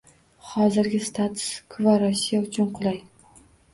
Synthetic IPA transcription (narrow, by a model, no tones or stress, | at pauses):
hɒzɪɾɡʲɪst̪ʰat̪ʰʊ̥skʰʊvaɾɒsijaʊt͡ʃʰʊnqʰʊlˠaj